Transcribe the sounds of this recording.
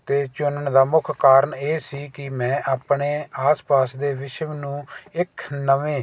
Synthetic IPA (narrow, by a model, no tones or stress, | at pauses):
t̪eːt͡ʃʊnəɳd̪aːmʊkʰkaːɾəɳeːsiːkɪmɛ̃ːʔaːpɳeːaːspaːsd̪eːʋɪʃəʋnũːɪkʰnəʋẽː